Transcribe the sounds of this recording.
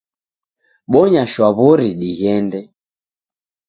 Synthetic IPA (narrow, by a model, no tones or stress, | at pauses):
ɓɔɲaʃwaβɔɾiɗiɣɛndɛ